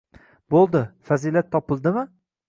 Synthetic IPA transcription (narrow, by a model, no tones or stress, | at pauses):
bolˠd̪ɪfaziːlat̪ʰːɒpɪlˠd̪ɪmɪ